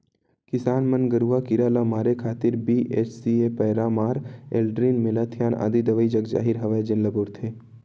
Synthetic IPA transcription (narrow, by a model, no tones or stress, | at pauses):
kɪsaːnmənɡəɾuakiɾaːlamaːɾekʰaːt̪ɪɾbiːʔeːt͡ʃsiepəːɾamaːɾḛːlɖɾiːnmelaːt̪ʰijaːna̰ːd̪id̪ɐʋəid͡ʒɐɡd͡ʒa̰ːɦiɾɦɐʋajd͡ʒenlɐboːɾt̪ʰeː